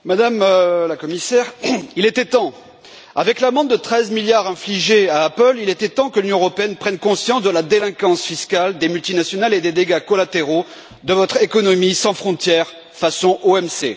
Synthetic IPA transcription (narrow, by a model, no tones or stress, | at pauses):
mad̪amlakɔmisɛʁilɛt̪et̪ɑ̃ | a̰vɛklamɑ̃d̪̚d̪ət̪χɛzmiljaʁɛ̃fliʒeaːpœlilɛt̪ɛt̪ɑ̃kəlynjɔ̃əʁɔpeɛnpχɛnkɔ̃sjɑ̃sd̪əlad̪elɛ̃kɑ̃sfiskald̪emylt̪inasjɔnaled̪ed̪eɡakɔlat̪eʁo | d̪əvɔt̪χekɔnɔmisɑ̃fχɔ̃t̪jɛʁ | fasɔ̃ʔoɛmsḛ